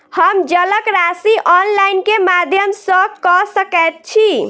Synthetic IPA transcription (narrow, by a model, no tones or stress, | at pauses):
həmd͡ʒələkɾasiʔɔnlainkemad̪ʱjəmsəkɔsəkət̪̚t͡ʃʰi